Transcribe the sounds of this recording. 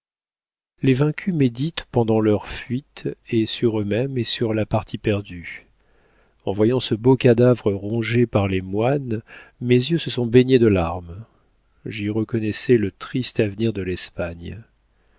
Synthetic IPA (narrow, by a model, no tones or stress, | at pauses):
levɛ̃kʲʰymed̪it̪pɑ̃d̪ɑ̃lœʁfɥit̪esyʁømɛmesyʁlapaʁt̪ʰipɛʁd̪y | ɑ̃vwajɑ̃səbokad̪avʁəʁɔ̃ʒepaʁlemwanmezjøsəsɔ̃beɲed̪əlaʁm | ʒiʁəkɔnɛsɛlət̪χist̪avniʁd̪əlɛspaɲ